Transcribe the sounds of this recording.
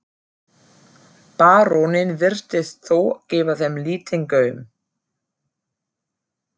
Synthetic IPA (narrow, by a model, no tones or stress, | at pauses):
paːɾonɪnvɪr̥t̪ɪst̪θowcɪːvaθɛmliːt̪ɪŋkœːɥm